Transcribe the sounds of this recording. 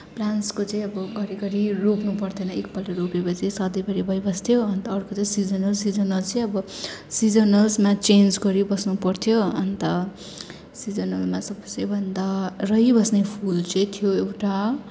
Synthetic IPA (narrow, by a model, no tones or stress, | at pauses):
planskot͡sʌĩʌbʌɡʌɾiɡʌɾiropnupʌrt̪ʰʌnʌek̚pʌlʈʌɾopebʌt͡sʌj̃sʌd̪ʌjbʌɾibʱʌjbʌst̪ʰjoʌnt̪ʌːrkot͡sʌĩsid͡zʌnʌlsid͡zʌnʌlt͡sʌj̃ʌbʌsid͡zʌnʌlsmat͡send͡zɡʌɾibʌsnupʌrt̪ʰjoʌnt̪ʌ | sid͡zʌnʌlmasʌbʌsebʱʌnd̪arʌjbʌsnepʰult͡sʌĩt̪ʰijoewʈa